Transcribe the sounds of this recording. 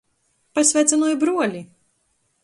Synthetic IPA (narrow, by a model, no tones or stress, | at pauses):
pasʲvʲæːt̪sanuɔjbɾuɔlʲi